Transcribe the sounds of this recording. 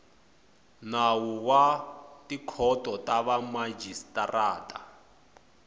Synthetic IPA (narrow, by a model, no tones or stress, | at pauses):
nawuwatikʰɔtʼɔtaβamad͡ʒistaraːtʼa